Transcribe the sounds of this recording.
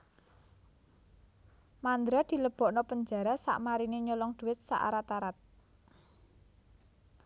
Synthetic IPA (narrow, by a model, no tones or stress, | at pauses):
mand̪ɾad̪̥i̤ləb̥ɔ̤ʔnɔpəɲd͡ʒa̤ɾasa̰ʔmaɾineɲolɔŋd̪̥ṳwɪt̪̚sa̰ʔa̰ɾat̪aɾat̪̚